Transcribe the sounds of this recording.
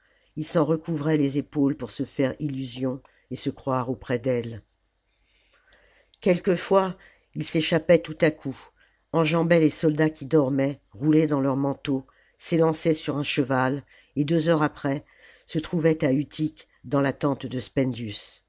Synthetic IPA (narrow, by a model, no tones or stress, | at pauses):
ilsɑ̃ʁəkuvʁɛlezepolpuʁsəfɛʁilyzjɔ̃ | esəkχwaʁopχɛd̪ɛl | kʲɛlkəfwa | ilseʃapɛt̪ut̪akʰu | ɑ̃ʒɑ̃bɛlesɔld̪akʲid̪ɔʁmɛʁuled̪ɑ̃lœʁmɑ̃t̪o | selɑ̃sɛsyʁɛ̃ʃəval | ed̪øzœʁapχɛ | sət̪χuvɛt̪ayt̪ʰik | d̪ɑ̃lat̪ɑ̃t̪d̪əspɛ̃nd̪jys